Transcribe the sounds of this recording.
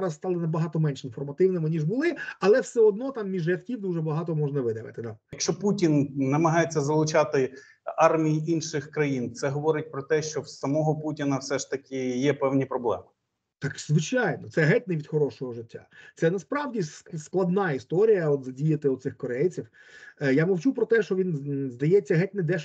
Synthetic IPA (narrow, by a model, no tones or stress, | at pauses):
ɾɐsst̪ɑlˠɪnɐbɐɦɑt̪ɔmɛnʲʃɪnfɔrmɐt̪ɪwnɪmɪnʲiʐbʊlˠɪɐlˠɛwsɛɔd̪nɔt̪ɑmːʲiʒɛt̪kʲiwd̪uʒɛbɐɦɑt̪ɔmɔʒnɐʋɪd̪ɐʋɪ̰t̪ɪd̪ajɐkʃt͡ʃɔputʲinːɐmɐɦɑjet͡sʲːɐzɐlˠʊt͡ʃɑt̪ɪ | ɑrmʲijiʔinʃɪxkɾɐjint̪sɛɦɔʋɔɾɪt̚ʲpɾɔt̪ɛʃt͡ʃɔwsɐmɔɦɔputʲinɐwsɛʂt̪ɐkʲɪjɛpɛwnʲipɾɔblˠɛ̰mɪ | t̪ɑkzʋɪt͡ʃajnɔt̪sɛɦɛt̚ʲnɪʋʲid̪xɔɾɔʃɔɦɔʒɪtʲːa̰t̪sɛnɐspɾɑwdʲissklˠɐd̪nɑist̪ɔɾʲijɐɔt̪zɐdʲijɐt̪ɪʊt̪sɪxkɔɾɛjt͡sʲiw | jamɔwt͡ʃupɾɔt̪ɛʃt͡ʃɔʋʲinzd̪ɐjɛt͡sʲːɐɦɛtʲnɪd̪ɛʃ